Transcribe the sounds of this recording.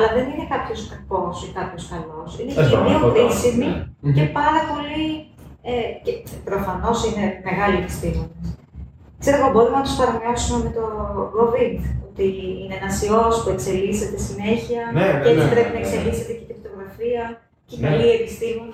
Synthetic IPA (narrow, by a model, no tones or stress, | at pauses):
ɐlɐðe̞nine̞kɐpço̞skɐko̞sikɐpço̞skɐlo̞sinecemioɾisimice̞pɐɾɐpo̞liecepɾo̞fɐno̞sine̞me̞ɣɐliepi̥st̪imones | kse̞ɾoɣɐbo̞ɾumnɐt̪ospɐɾɐmiɐsume̞met̪o̞ɡovind̪o̞t̪iinenɐsio̞spue̞kse̞liset̪e̞sine̞çiɐeit̪ɾe̞pinɐekse̞liset̪ece̥cipt̪o̞ɣɾɐfiɐ | cekɐlie̞pist̪imoni